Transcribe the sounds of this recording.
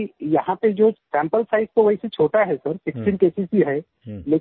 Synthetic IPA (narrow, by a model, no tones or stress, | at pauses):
ijɐɦãped͡ʒoːsɛ̃ːmpəlpʰaːɪst̪oʋɐɦiset͡ʃʰoːʈaɦɛsɐɾpɪksinkeːsisiɦɛː | leː